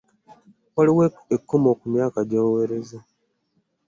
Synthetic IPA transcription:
waliwe | ekʰːomo̞ːkumjaːkaɟaːweɾeza

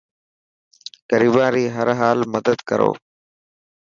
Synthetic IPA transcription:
kəɾiːbãːɾiːɦəɾɦaːlməd̪əd̪kəɾo̰ː

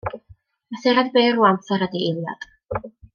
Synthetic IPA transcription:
aθɛɾadbeːruamθɛɾədielˠja̰d̥

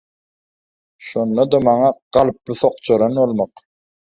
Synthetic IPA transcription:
ʃonːɑd̪ɑmɑɴɑqɑlˠp̚buθoq̚t͡ʃʰoɾɑnolˠmɑq

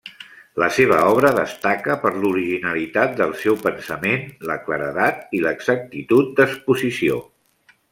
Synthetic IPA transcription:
ləseβ̞əɔβ̞ɾəðəst̪akəpəɾluɾiʒinəlit̪at̪̚d̪əlˠsɛwpənsəmenləkləɾəðat̪̚iləɡzək̚t̪it̪ut̪̚d̪əspuzisio̰

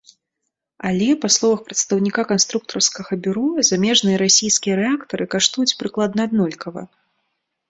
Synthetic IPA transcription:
alʲɛpaslˠɔvɐxpɾɐt̪st̪ɐwnʲikakanst̪ɾuk̚t̪ɐrskɐɣɐbʲuɾɔzamʲɛʐnɨjɐɾasʲijskʲijɐɾɛakt̪ɐɾɨkaʂt̪ujut͡sʲpɾɨklˠad̪nɐːd̪nɔlʲkɐvɐ̰

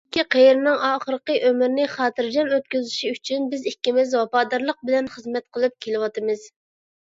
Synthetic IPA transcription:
kʲʰːiqʰejɾɪnɨŋɑːχəɾəqəʔømɪɾnɪχɑːt̪ʰɨɾd͡ʒɑnøt̪̚kʲøzɪʃiyt͡ʃʰynbɪzikʲːimɪzwɑpɑːd̪ɑɾlˠəq̚bɪlɛnχəzmɛt̪̚qʰəlˠɨp̚kʲʰelɪwɑt̪ʰɨmɨz̥

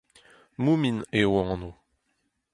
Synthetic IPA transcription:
muminewɑ̃no

